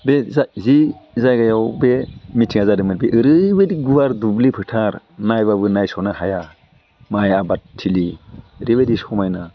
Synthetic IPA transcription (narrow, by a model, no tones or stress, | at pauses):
bezazizajɡajawbemitʰiŋazadɯmɯɾbiʔɯɾɯbediɡuwaɾdublipʰɯtʰaɾ | najbabɯnajsɔnahaja | majabatʰːiliɾibedisɔmajna